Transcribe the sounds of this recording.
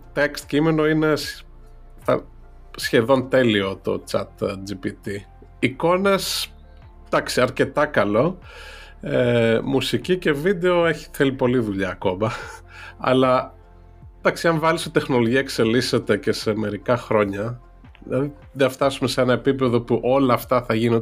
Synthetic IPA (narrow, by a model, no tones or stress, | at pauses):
t̪ekst̪cimeno̞ine̞s | θɐ̰ | sçe̞ðo̞nt̪e̞lio̞t̪o̞̰t͡sɐ̰t̪d͡ʒipit̪i | iko̞ne̞s | d̪̥ɐksiɐɾce̞t̪ɐkɐlo̞ | emusicice̞vid̪e̞o̞e̞çi̥θe̞lipo̞liðuʎɐːko̞mɐ | ɐ̰lɐ | d̪̥ɐksiɐɱvɐliset̪e̞xno̞lo̞ʝiɐekse̞lise̞t̪e̞ce̞se̞me̞ɾikɐxɾo̞ɲɐ | ilɐði | ðeft̪ɐsume̞seenɐe̞pipe̞ðo̞puʔo̞lɐːft̪ɐθɐʝino